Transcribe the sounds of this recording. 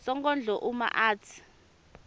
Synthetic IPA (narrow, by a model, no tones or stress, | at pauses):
sɔŋɡɔnd͡ɮʱɔʔuma̰ʔaːtʰi̥